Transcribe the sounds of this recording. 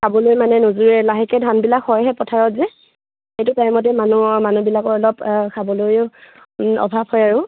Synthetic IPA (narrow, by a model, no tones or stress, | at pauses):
sabɔlojmanɛnozuɹɛlaɦɛkɛdʱanbilakhɔjɦɛpɔtʰaɹɔtzɛ | ejtʊtajmɔt̬ɛmanumanubilakɔɹɔlɔbkabɔlojʊ | ɔ̰bʱap̚hɔjaɹʊ